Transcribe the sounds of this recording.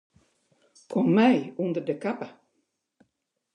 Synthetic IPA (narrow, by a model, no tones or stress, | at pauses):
kʰɔmːɛjund̪ərdəkʰapə